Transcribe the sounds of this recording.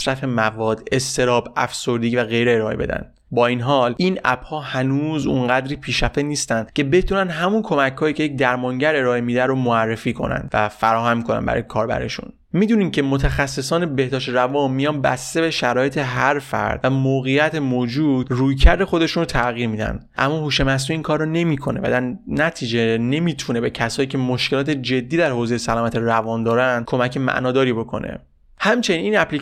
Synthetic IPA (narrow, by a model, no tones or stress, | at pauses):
sɾæfe̞mævɒːd̪e̞st̪e̞ɾɒːbæ̰fsoɾd̪iːvæɣe̞jɾeːɾɒːḛbe̞d̪æ̰nd̪̥ | bɒːinɦɒːlinæ̰b̥hɒːhænuːzṵnɢæd̪ɾiːpʰiːʃæfeniːst̪ænd̪̥cʰe̞be̞t̪ʰunænd̪ɦæmunkʰo̞mæckʰhɒːjiːcʰe̞jecd̪æɾmɒŋɟæɾe̞ɾɒːʔemiːd̪æɾomoærːefiːkʰo̞̰næ̰nd̪væ̰fæɾɒːhæmːikʰo̞næ̰nbæ̰ɒ̰ːjekʰɒːɾbæ̰ɾḛʃṵn | miːd̪uːnimcʰemot̪ʰæxæsːe̞sɒːne̞be̞hd̪ɒːʃt̪ɾævɒːnmːijɒːnbæst̪e̞be̞ʃæɾɒːje̞t̪ʰe̞ɦæɾfæ̰ɾd̪̥væmoːɣejæt̪ʰemoːd͡ʒuːd̪̥ruːjcʰæɾd̪e̞xo̞d̪e̞ʃunrot̪ʰæɣiːɾmiːd̪æ̰nd̪̥ʔæ̰mːɒːhuːʃe̞mæs̬uːiːnkʰɒːɾːɔne̞miːkʰo̞ne̞̰væ̰d̪æɾnæt̪ʰiːd͡ʒe̞ne̞mit̪ʰune̞be̞cʰæsɒːjiːcʰe̞mo̞ʃkelɒːt̪ʰe̞d͡ʒe̞d̪ːiːd̪æɾhoːze̞jesælɒːmæt̪ʰeɾævɒnd̪ɒːɾænd̪̥̚kʰo̞mæcʰe̞mæ̰ʔnɒːd̪ɒːɾibo̞kʰo̞̰nḛ | hæmt͡ʃʰe̞nininæpʰli